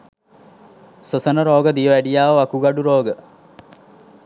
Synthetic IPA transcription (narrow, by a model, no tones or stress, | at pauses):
sosənəɾoːɡəd̪ijəʋæɖijaːʋəʋakuɡaɖuɾoːɡə